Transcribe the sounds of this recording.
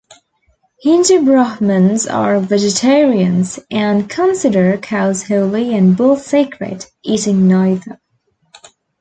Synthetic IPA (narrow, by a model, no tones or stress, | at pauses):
hɪ̃ntəbɹɑhmə̃nzə̰ɹvɛd͡ʒɨtʰɛɹiɨ̃nzʔɨ̃nkʰə̃nsɪɾə˞kʰaʊz̥hoʊlˠiɨ̃nbolˠθseɪkʰɹɨ̰ɾ | ʔiɾɪ̃ŋnaɪðə